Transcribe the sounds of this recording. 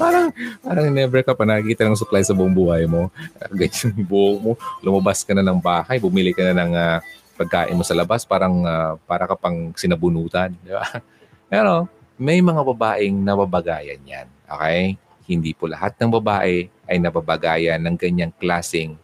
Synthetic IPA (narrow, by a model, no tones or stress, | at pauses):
paːɾɐŋpaːɾɐŋnɛbɛkɐpɐnɐkkiːt̪ɐnlɐŋs̬ʊklajsɐbʊʔoŋbʊhajmo̞ɡɐɲaŋbuːʔok̚molʊmɐbaskɐnanɐŋbaːhajbʊmilɪkɐnanɐŋa | pɐɡ̚kaːʔɪnmo̞sɐlɐbaspaːɾɐŋapaːɾɐkɐpɐŋsɪnɐbʊnuːt̪ɐnd̪ɪba̰ | pɛːɾo̞ | mɐjmɐŋabɐbaːʔɛŋnɐbabɐɡaːjɐ̰nja̰nʔo̰ːkɛj | hɪnd̪iːpolɐ̰hat̪̚nɐŋbɐbaːʔɛʔɐjnɐbabɐɡaːjɐnːɐŋɡɐɲaŋklaːsɪŋ